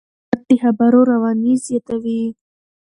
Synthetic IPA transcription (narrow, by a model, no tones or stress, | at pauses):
t̪̚d̪əxabaɾoɾawɑnizjɑt̪awi